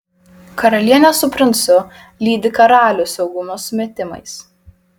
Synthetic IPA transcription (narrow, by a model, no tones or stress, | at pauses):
kɐɾɐlʲiɛnʲɛsʊpʲɾʲɪnt̪sʊ | lʲiːd̪ʲɪkɐɾɑːlʲusʲɛʊɡʊmoːsʊmʲeːt̪ʲɪmɐ̰ɪs